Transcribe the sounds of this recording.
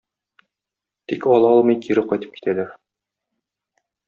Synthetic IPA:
t̪ikɒlˠɑɒlˠmɤjkʰiɾɘqɒjt̪ɤ̥p̚ki̥t̪ælæɾ

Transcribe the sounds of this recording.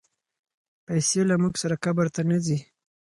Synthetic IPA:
pajselamuɡsaɾakabaɾt̪anazi

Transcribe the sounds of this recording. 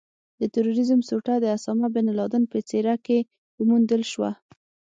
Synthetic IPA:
d̪̥ət̪aɾoɾizəmsoʈad̪əasɑmabenalɑd̪ənpət͡seɾake | mund̪əlʃwa̰

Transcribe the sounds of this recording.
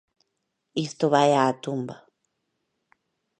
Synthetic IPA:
ist̪oβajaːt̪ʊmba

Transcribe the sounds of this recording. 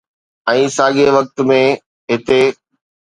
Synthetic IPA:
ɛ̃ːsaːɠeʋɐk̚t̪mẽ | ɦɪt̪e

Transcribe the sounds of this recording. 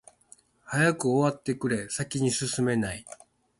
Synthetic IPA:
hajakɯ̟oβat̪ːe̞kɯ̟ɾe̞sakʲiɲ̟isɨsɨme̞nai

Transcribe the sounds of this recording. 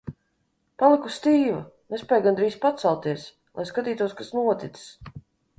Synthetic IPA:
palˠikust̪iːva̰nɛspʲɛjɡand̪ɾiːspat̪salˠt̪iɛs | lˠʔa̰jskat̪iːt̪uɔskasnuɔt̪it̪ss

